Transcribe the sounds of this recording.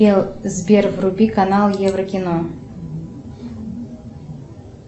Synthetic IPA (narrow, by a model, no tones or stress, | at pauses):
elˠzbʲervrubʲikanɑlˠjevrəkʲɪno